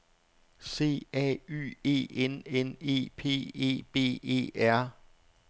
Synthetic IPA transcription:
se̝̰ːɛ̰y̰e̝̰ːenene̝̰ːpʰe̝̰ːe̝̰ːb̥e̝̰ːe̝̰ːæɐ̰

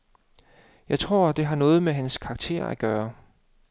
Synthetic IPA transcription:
jɑ̈ɪt͡sʰʁo̝ɐ̰d̥e̝ɦɑ̈nɔ̽ːð̞̩ˠmeɦænskʰɑ̈ɡ̥̚t͡sʰe̝̰ɐ̰æɡ̥ɶːɐ

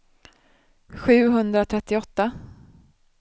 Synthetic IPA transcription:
ɧʉ̟ːɦɵnd̪ɾat̪ʰɾɛt̪ːɪɔt̪ːa

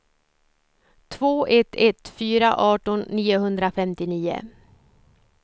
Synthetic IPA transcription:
t̪ʰvoːʔɛt̪ʰɛt̪fyːɾa̰ʔɑːʈɔnːiːʊhɵnd̪ɾafɛmt̪ɪniːʊ̰

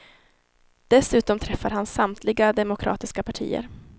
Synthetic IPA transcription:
d̪̥ɛsʉ̟ːt̪ɔmt̪ʰɾɛfːaɾhansamt̪ʰlɪɡad̪ɛmʊkʰɾʔɑ̰ːt̪ɪskapʰaʈʰḭːə̰ɾ

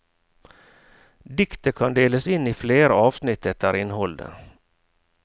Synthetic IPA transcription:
d̪ɪkt̪əkʰɑnd̪eːləsɪnːiːfleːɾəɑːʋsnɪt̪ːɛt̪̚æɾɪnhɔld̪ə̰

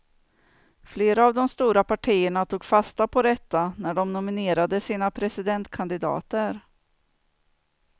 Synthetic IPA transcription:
fleːɾaːvd̪ɔmst̪uːɾapaʈʰiːəɳat̪ʰuːɡfast̪apʰɔɾɛt̪ːanæɖɔmnʊmɪneːɾad̪əsiːnapʰɾɛsɪd̪ɛnt̪kʰand̪ɪd̪ɑ̰ːt̪əɾ

